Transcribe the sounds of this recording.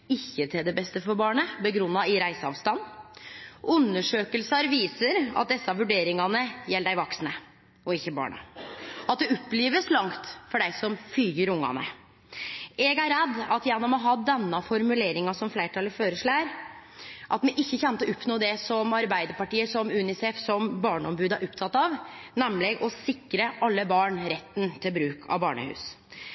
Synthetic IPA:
ɪçːət̪ʰɪld̪ɛbɛst̪əfɔɾbɑːɳəbəɡɾʉnːɑɪɾæɪsəɑ̰ʋst̪ɑn | ʉnːəʂøːkəlsɑɾʋiːsəɾɑ̰t̪̚d̪ɛsːəɑʋʉɖeːɾɪŋɑnəjɛlːəd̪æɪʋɑksnə | ɔɪçːəbɑ̰ːɳɑ̰ɑt̪̚d̪ɛɔpːliːʋəslɑŋt̪fɔɖæɪsɔmfyːɡəɾʊŋːɑ̰nə̰ | ɛɡæɾɛd̪ːɑt̪jɛnːɔmɔɦɑd̪ɛnːɑfɔɾmʉleːɾɪŋɑsɔmflæɪʈʰɑləføːɾəʂɭæːɾ | ʔɑt̪mɛʔɪçːəçɛnt̪ɔʊpnoːd̪ɛsɔmɑɾbæɪd̪əɾpɑʈiːəsɔmʉːnɪsɛːfsɔmbɑːɳəɔmbʉːd̪æɾʔɔpt̪ʰɑt̪ːɑʋnɛmːlɪɡʔɔsɪkɾəʔɑlːəbɑːɳɾɛt̪ːnt̪ʰɪlbɾʉːkʰɑ̰ʋbɑːɳə̰hʉ̰ːs

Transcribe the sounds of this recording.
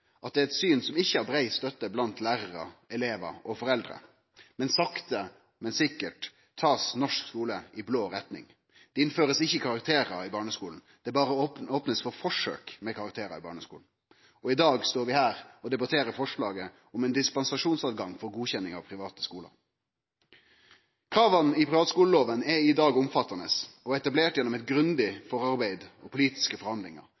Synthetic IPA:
ʔɑt̪̚d̪ɛæɛt̪syːnsɔmɪçːəæɾbɾæɪst̪œt̪ːəblɑnt̪læːɾəʁə̰ɛleːʋɑ̰ɔfɔɾɛld̪ɾə̰ | mɛnsɑkt̪ə | mɛnsɪkːəʈ | t̪ʰːɑːsnɔʂkskuːləɪbloːɾɛt̪nɪ̰ŋ | d̪̥ɛɪnføːɾəsɪçːəɪkʰɑɾɑk̚t̪ʰeːɾɑɪbɑːɳəskuːln̩d̪̥ɛbɑːɾəoːpnəsfɔɾfɔʂø̰ːkmɛkʰɑɾɑk̚t̪ʰeːɾɑ̰ɪbɑ̰ːɳəskuːln̩ | ɔɪd̪ɑːɡst̪oːɾʋɪhæːɾɔd̪ɛbɑt̪ʰeːɾəɾfɔʂɭɑːɡə | ɔmɛnd̪ɪspɑnsɑʂuːnsɑːʋɡɑŋfɔɾɡuːçɛnːɪŋɑ̰ʋpʰɾɪʋɑːt̪ə̥skuːlɑ̰ | kʰɾɑːʋɑnɪpʰɾɪʋɑːt̪skuːləloːʋənɛɪd̪ɑːɡʊmfɑt̪ːɑnəsɔɛt̪ɑbleːʈjɛnɔmɛt̪̚ɡɾʉnd̪ɪfɔɾɑɾbæɪd̪ɔpʰʊliːt̪ɪ̥skəfɔɾhɑnd̪lɪŋɑ̰ɾ

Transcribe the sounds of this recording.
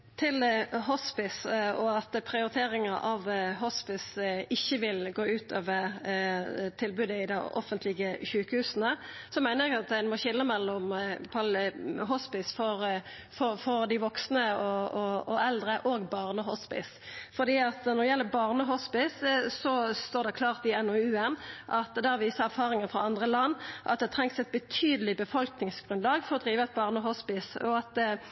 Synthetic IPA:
t̪ʰɪlɦɔspɪsɔɑt̪pʰʁɪʊɾɪt̪ʰeːɾɪŋɑʔɑʋɦɔspɪsɪçːəʋɪlɡoːʉːt̪ʰøːʋəɾ | t̪ʰɪlbʉːd̪əɪd̪æ̰ɔ̰fənt̪ʰlɪɡəçʉːkəhʉːsənəsɔmæɪnəɾjɛɡɑt̪æɪnmɔçɪlːəmɛlːʊmpʰɑlɦɔspɪsfɔʁ | fɔfɔʁd̪ɪʋɔksnəɔɔɔɛld̪ʁəʔoɡbɑːʁnəɦɔspɪ̰s | fɔd̪iːɑt̪nɔɛjɛlːəbɑʁnəɦɔspɪssɔst̪oːʁd̪ɛkʰlɑːʁt̪ɪɛnːɔʉːɛnʔɑt̪d̪ɛɑʋiːsəæɾfɑːʁɪŋəfʁɑɑnd̪ʁəlɑnːʔɑ̰t̪̚d̪ɛt̪ʰʁɛŋksɛt̪̚bət̪ʰyːd̪əlɪbəfɔlknɪŋsɡ̥ʁʉnlɑːɡfɔɾɔd̪ʁiːʋəæt̪̚bɑːʁnəɔɦɔspɪsɔɑt̪

